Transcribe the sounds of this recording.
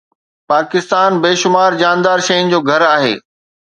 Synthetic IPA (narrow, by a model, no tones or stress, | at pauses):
paːkɪst̪aːnbeːʃʊmaːɾd͡ʑaːnd̪aːɾʃɐjʊ̃nɪ̆d͡ʑoːɡʱɐɾaːɦḛː